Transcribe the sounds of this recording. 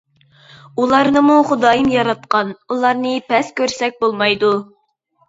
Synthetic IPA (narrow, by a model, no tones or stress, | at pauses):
ulˠɑɾnɨmuχʊd̪ɑːjɨmjɑɾɑt̪̚qɑnulˠɑɾnɨpʰɛskʲøɾsɛk̚ʲbolˠmɑjd̪u